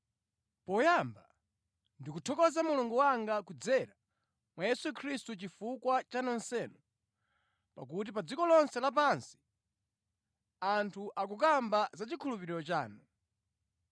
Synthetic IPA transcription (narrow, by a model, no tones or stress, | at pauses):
pɔjamba | ndikutʰɔkɔzamuluŋɡuwaŋɡakud͡zɛɾa | mwajɛsukʰɾistut͡ʃifukwat͡ʃanɔnsɛːnɔ | pa̰k̬ut̬ipad͡zikɔlɔnsɛlap̬ansi̥ | antʰuʔakuk̬ambazat͡ʃikʰulupiɾiɾɔt͡ʃa̰ːnɔ